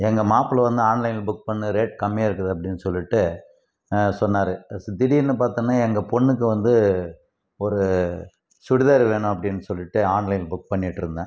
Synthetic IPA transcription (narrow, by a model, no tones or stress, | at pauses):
ɛŋɡɐmaːplɐʋɐnd̪ɯaːnlɐɪnbʊk̚ːpɐɳːɯɾeːʈ̚kɐmːɪjaːɪɾɯkːɐðɯɐpːɐɽɪnːɯsɔlːɪʈːɯ | sɔnːaːɾɯd̪ɪɽiɪnːɯpaːɾt̪ɯŋɐnːaːɛŋɡɐpɔɳːɯk̬ːɯʋɐnd̪ɯ | ɔɾɯ | sʊɽɪðɐɾɯʋeːɳʊ̃ɐp̬ːɐɽɪnːɯsɔlːɪʈːɯaːnlɐɪnbʊk̚ːpɐɳːɪʈːɯɾɯnd̪ã̰ː